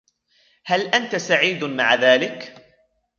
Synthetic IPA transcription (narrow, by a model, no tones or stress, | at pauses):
halʔant̪asaʕiːd̪maʕðaːlɪk